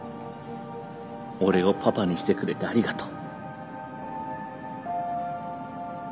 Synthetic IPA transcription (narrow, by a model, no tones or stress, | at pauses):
o̞ɾe̞o̞pʰapaɲ̟iɕi̥t̪e̞kɯ̟ɾe̞t̪eaɾʲiɡat̪o̥ː